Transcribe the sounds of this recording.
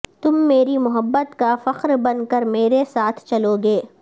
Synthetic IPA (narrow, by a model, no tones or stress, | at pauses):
t̪ʊmːeːɾimʊɦəbːət̪kafɐqɾbɐnkəɾmeːɾesaːt̪ʰt͡ʃɐloːɡeː